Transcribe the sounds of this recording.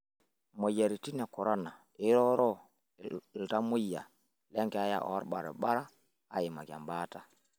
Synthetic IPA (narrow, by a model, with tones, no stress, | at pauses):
mo˨ja˨ɾi˨ti˦na˨kɔ˨ɾa˦na˨ | i˦ɾɔ˦ɾɔ˦˨ | lta˦mu˦jːa̰˨ | lɛ˦ŋkɛ˨a˦ja̰˦˨ʔɔ̰˨a̰˦ɾɓa˨ɾɛ̰˨ɓa˦ɾa˦ | a˨ji˨ma˨ɡa̰˨mba˦ta˨